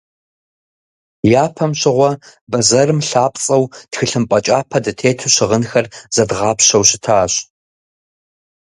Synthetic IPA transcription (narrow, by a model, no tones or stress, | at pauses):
jaːpʰɐmɕɪʁʷɔbɐzɐrɨmɬaːpʼt͡sʼɐwtxɨɬɨmpʼɐt͡ʃʼaːpʰɐdɨtʰeːtʰɨɕɪʁənxɐrz̥ɐdʁɑːpɕɐwɕɪ̥tʰaːɕ